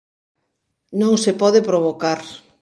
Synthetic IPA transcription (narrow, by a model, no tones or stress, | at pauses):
nõŋsepɔðepɾoβ̞okaɾ